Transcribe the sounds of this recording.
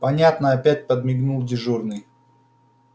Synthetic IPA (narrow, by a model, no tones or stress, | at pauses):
pɐnʲat̪nəɐpʲæt̚ʲpəd̪mʲɪɡnulˠdʲɪʐurnɨj